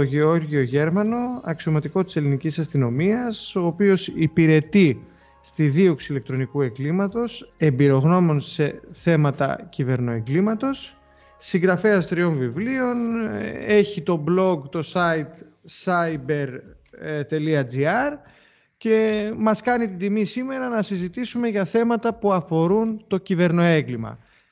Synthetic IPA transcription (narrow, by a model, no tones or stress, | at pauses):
oʝeo̞ɾʝio̞ʝe̞ɾmɐno̞ɐksio̞mɐt̪iko̞t̪ise̞linicisɐst̪ino̞miɐso̞ːpio̞sipiɾe̞t̪i | st̪iðio̞ksile̞kt̪ɾo̞nikue̞ŋɡlimɐt̪o̞se̞mbiɾo̞ɣno̞mo̞nse̞θe̞mɐt̪ɐ̰cive̞ɾno̞e̞ŋɡlimɐt̪o̞sː | iŋɡɾɐfeɐst̪ɾio̞nvivlio̞n | e̞çit̪o̞blo̞ɡt̪o̞sɐit̪ | sɐibe̞ɾ | t̪e̞liɐd͡ziɐɾ | ce̞mɐskɐnit̪id̪imisime̞ɾɐnɐsizit̪isume̞ʝɐθe̞mɐt̪ɐpuɐfo̞ɾunt̪o̞cive̞ɾno̞e̞ɡlimɐ̰